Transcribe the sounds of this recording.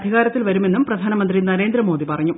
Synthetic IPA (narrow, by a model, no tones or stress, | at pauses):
d̪ʱiɣaːɾɐt̪ːilʋɐɾume̞nːumprɐd̪ʱaːnɐmɐnd̪rinɐɾe̞ːnd̪ɾɐmo̞ːd̪ipɐrɐɲːu